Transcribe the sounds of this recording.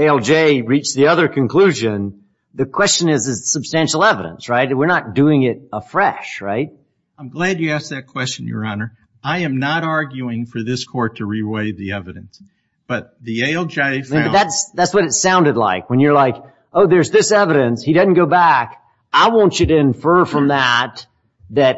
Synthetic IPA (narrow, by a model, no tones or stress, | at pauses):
eɪɛlˠd͡ʒeɪɹit͡ʃðiʌðə˞kʰɨ̃nkʰl̥ʉʒɨ̃n | ðɨkʰw̥ɛst͡ʃɨ̃nɨzɨz̥sɨb̥stæ̃nʃl̩ˠɛvəɾə̰̃nsɹaɪtwɨɹnət̚d̥ʉɪ̃ŋɪɾəfɹɛʃɹa̰ɪt̚ | ãɪ̃mɡlæd͡ʒɨæsk̚ðɨt̚kʰw̥ɛst͡ʃɨ̃njə̰˞ɑnə˞ | aɪɨ̃mnəɾɑɹɡjʉɪ̃ŋfə˞ðɪskʰɔɹtʰɨɹiweɪðiɛvɨɾɨ̰̃ns | b̥ʌt̪̚ðieɪlˠd͡ʒeɪ̃ðætsðætswʌɾɨtsãʊ̃ndɨdˡla̰ɪkwə̃njə˞laɪk | ʔoʊðə˞zðɪsɛvɨɾɨ̃nshiɾɪdⁿn̩ɡ̥oʊbæk | aɪwõʊ̃nt͡ʃɨɾɨɨ̃ɱfɜ˞fɹʌ̃mðət̪̚ | ðɨt̚